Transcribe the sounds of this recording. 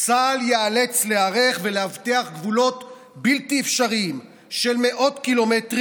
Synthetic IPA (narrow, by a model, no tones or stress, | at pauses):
t͡saljeale̞t͡sleaʁeχve̞leavteaχɡvulo̞t | biltiefʃaʁiim | ʃe̞lme̞ʔo̞tkilo̞metʁ